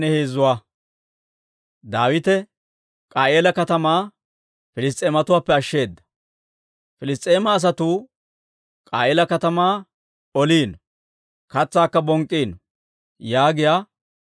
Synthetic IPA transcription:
nɛheːzʊwaː | d̪aːwɪt̪ɛ | kʼaːʔeːlɐkɐt̪ɐmaː | fɪlɪs̬t̪ʼe̞ːmɐt̪ʊwaːpːɛɐʃːe̞ːd̪ːɐ̥ | fɪlɪst̪ʼːe̞ːmɐːs̬ɐt̪uː | kʼaːʔeːlɐkɐt̪ɐmaː | ɔliːn | kɐt͡sːaːkːɐbɔŋkʼːiːn | jaːɡɪjaː

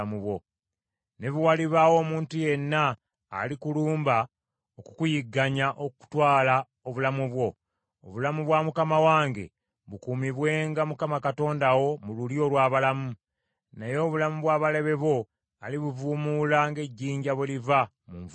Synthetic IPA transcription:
muβwo | ne̞βuwaliβawo̞ːmuːntuje̞nːa̰ː | likuluːmba | oku̥kujiɡːaɲaʔoku̥twaːla | o̞βulamuβwo̞ | o̰βulamuβwamukamawaːŋɡe̞̰ | βukuːmiβwe̞ːŋɡamukamakato̞ːndawo̞mululjo̞lwaːβalamu | najo̞ːβulamuβwaːβale̞βe̞βo̞ | aliβuvumuːlaŋɡe̞ɟːiːɲɟaβweliva | muɱv

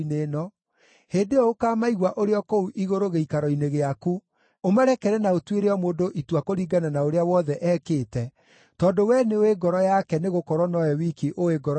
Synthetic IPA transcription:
neːnɔ | heːndeɔokaːmaiɣwaʔoɾeɔkouʔiɣoɾoɣeikaɾɔineɣeaku | omaɾɛkɛɾɛnaotweɾeɔmoːndoʔitwakoɾiːɡananaoɾeawɔðɛʔɛːkeːtɛ | tɔːndowɛneoweɡɔɾɔjakɛneɣokɔɾwɔnɔjɔwikiʔoeɡɔɾɔ

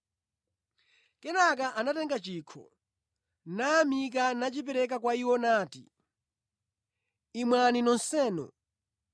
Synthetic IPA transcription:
kɛnak̬aʔanatɛŋɡat͡ʃiːkʰɔ̰ | naːmik̬anat͡ʃipɛɾɛk̬akwaiwɔnaːtḭ | imwaninɔnsɛːnɔ̰

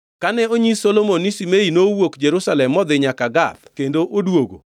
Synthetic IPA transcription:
kanɛoɲisolomonisimeinowokd͡ʒeɾusalɛmːɔd̪ɪɲakaɡab̚kendoʔodwoɡo̰

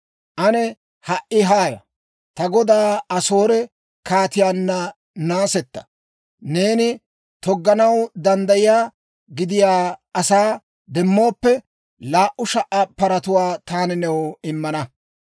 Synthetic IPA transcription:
ʔɐnɛ | hɐʔːɪɦaːjɐ̰ | t̪ɐɡɔd̪aːɐso̞ːɾɛ | kaːt̪ɪjaːnːɐ | naːsɛt̪ːɐ̥ | ne̞ːnɪ | t̪ɔɡːɐnɐwd̪ɐnd̪ɐjɪjaː | ɡɪd̪ɪjaːɐsaː | d̪ɛmːo̞ːpːɛ | laːʔʊʃɐʔːɐpːɐɾɐt̪ʊwaːt̪aːnɛnɛwɪmːɐnɐ

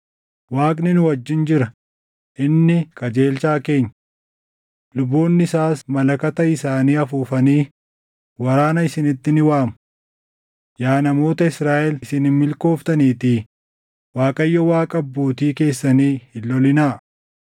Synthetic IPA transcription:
waːkʼnɪnʊwɐd͡ʒːɪnd͡ʒɪɾɐ | ʔɪnːɪkʼɐd͡ʒe̞ːlt͡ʃaːke̞ːɲː | lʊbːoːnːɪɪsaːsmɐlɐkɐt̪ɐɪsaːniːɐfuːfɐniː | wɐɾaːnɐɪsɪnɪt̪ːɪnɪwaːmʊ | jaːnɐmo̞ːt̪ɐɪsɾaːʔɛlɪsɪnɪmmɪlko̞ːft̪ɐniːt̪iː | waːkʼɐjːɔwaːkʼɐbːoːt̪iːke̞ːsːɐniːhɪlːɔlɪnaː

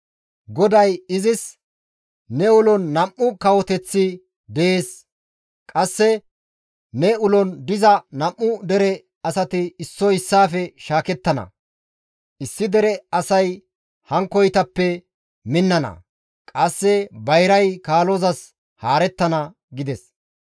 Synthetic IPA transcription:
ɡɔd̪ɐjɪzɪs | nɛʊlɔnːɐmʔːʊkɐwɔt̪ɛt͡sːɪ | d̪ɛeːs | kʼɐsːɛ | nɛʊlɔnd̪ɪzɐnɐmːʊd̪ɛɾɛ | ɐsɐt̪ɪːsːɔɪsːaːfɛʃaːkɛt̪ːɐnɐ̰ | ɪsːɪd̪ɛɾɛɐsɐj | hɐŋkɔjt̪ɐpːɛ | mɪnːɐnɐ̰ | kʼɐsːɛbɐjɾɐjkaːlozɐs | haːɾɛt̪ːɐnɐ | ɡɪd̪ɛs

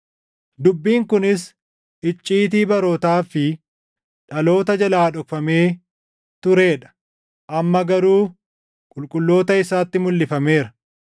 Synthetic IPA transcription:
d̪ʊbːiːŋkʊnɪs | ɪt͡ʃʼːiːt̪iːbɐɾoːt̪aːfɪ | ᶑɐlo̞ːt̪ɐd͡ʒɐlaːᶑɔkfɐme̞ː | t̪ʊɾe̞ːᶑɐ̥ | ʔɐmːɐɡɐɾuː | kʼʊlkʼʊlːo̞ːt̪ɐɪsaːt̪ːɪmʊlːɪfɐme̞ːɾɐ

